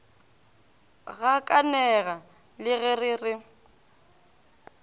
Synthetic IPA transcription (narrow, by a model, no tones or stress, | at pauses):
ɣakʼanɛɣa | lɪɣɛrɪrɪ